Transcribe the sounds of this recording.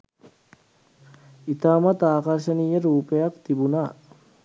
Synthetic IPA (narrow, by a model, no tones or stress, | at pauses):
it̪aːmɐt̪aːkɐɾʃɐnijɐɾuːpejɐkt̪ibunaː